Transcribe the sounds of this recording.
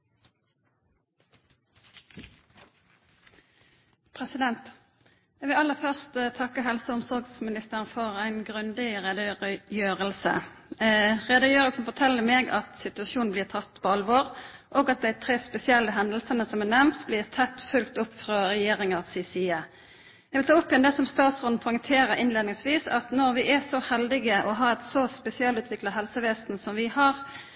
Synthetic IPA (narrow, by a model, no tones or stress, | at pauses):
pʰʁɛsɪd̪ɛnt̪ | jæʋɪlɑlːəfœʁst̪t̪ʰɑkːəɦɛlsəʊmsɔʁɡsmɪnɪst̪əʁənfɔʁæɪnɡʁʉnd̪ɪʁɛd̪əjøːʁəlsə̰ | ʁɛd̪əjøːʁəlsn̩fɔt̪ʰɛlːəmeːɡɑ̰t̪sɪt̪ʉɑsuːnn̩b̪iːʁt̪ʰɑt̪ːpʰoːɑlʋoːʁʔoːɡɑt̪̚d̪æɪt̪ʰɾeːspɛsɪɛlːəɦɛnd̪əlsənəsɔmɛnɛmnt̪sblɪːʁt̪ʰɛt̪ːfʉlk̚t̪ʊpːfʁɑʁɛjeːʁɪŋɑʁsisiə | jæʋɪlt̪ʰɑːʊpːɪɛnd̪ɛsɔmst̪ɑːt̪sʁʊnnpʰɔʏɪŋt̪ʰeːɾəʔɪnleːd̪nɪŋsʋiːsɑt̪nɔɾʋɪʔɛsɔhɛld̪ɪɡəʔɔɦɑːɛt̪sɔspɛsɪɛlʉːt̪ʋɪkləɦɛlsəʋeːst̪n̩sɔmʋɪhɑʁ